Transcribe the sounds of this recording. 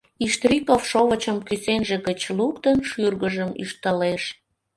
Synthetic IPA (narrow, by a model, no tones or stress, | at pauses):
iʃt̪rʲikofʃoβət͡ɕəmkysenʒĕɣət͡ɕlukt̪ənʃyrɣəʒəmy̰ʃt̪əleʃ